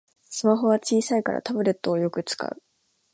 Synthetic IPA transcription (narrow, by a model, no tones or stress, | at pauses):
sɨmaɦo̞β̞at͡ɕiːsaika̰ɾa̰t̪abɯ̟ɾe̞t̪ːo̞ːjo̞kɯ̟t͡sɨ̥ka̰ɯ̟